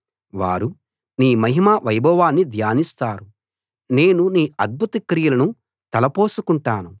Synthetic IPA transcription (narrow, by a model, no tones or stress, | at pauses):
ʋa̰ːɾu | niːmɐɦimaːʋɐjbɔːʋaːnːid̪ʱjaːnist̪aːɾu | ne̞ːnuniːɐd̪̚bʱut̪ɐkɾijɐlɐnu | t̪ɐlɐpoːsukuɳʈaːnu